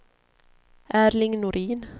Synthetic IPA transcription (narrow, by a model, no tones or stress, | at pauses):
ʔæːɾlɪŋnʊɾʔiːn